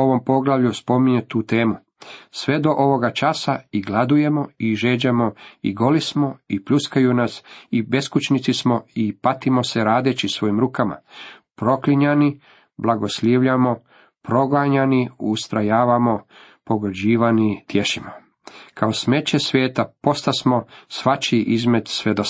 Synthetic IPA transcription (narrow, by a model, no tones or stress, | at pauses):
o̞ʋo̞mpo̞ɡlˠaʋʎuspo̞miɲet̪uːt̪eːmu | sʋe̞d̪o̞ʔo̞ʋo̞ɡat͡ʃasaiɡlˠad̪uje̞mo̞iʒe̞ːd͡ʑamo̞ḭɡo̞lismo̞ipʎuskajunasibe̞skut͡ʃnit̪ismo̞ipat̪imo̞se̞ɾaːd̪et͡ɕisʋo̞jimɾuːkama̰pɾo̞kliɲani | blˠaɡo̞sʎeːʋʎamo̞ | pɾo̞ɡaɲaniust̪ɾajaːʋamo̞ | po̞ɡd͡ʑiːʋanit̪jeʃimo | kʰaosme̞t͡ɕe̞sʋʲjeːt̪apo̞st̪asmo̞sʋat͡ʃiʔizme̞d̪sʋed̪o